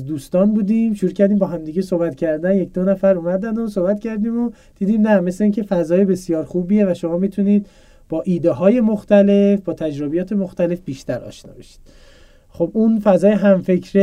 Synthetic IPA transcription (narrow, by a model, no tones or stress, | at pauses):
d̪uːst̪ɒːnbuːd̪iːmʃuɾuːcʰæɾd̪iːmbɒːɦæmd̪iɟesohbæt̪cʰæɾd̪ænjec̚ʰd̪onæfæɾuːmæd̪ænd̪osohbæt̪cʰæɾd̪iːmo | d̪̥iːd̪iːmnæme̞sleiːncʰe̞fæzɒːjebe̞sijɒːɾxuːbiːje̞væʃomɒːmit̪ʰuniːd̪ | b̥ɒːʔiːd̪eɦɒːje̞moxt̪æle̞fbɒːt̪ʰæd͡ʒɾobijɒːt̪ʰe̞moxt̪æle̞fb̥iːʃt̪æɾɒ̰ːʃnɒ̰ːbeʃi̥d̪̥ | xobunfæzɒːjeɦæmfe̞cʰɾe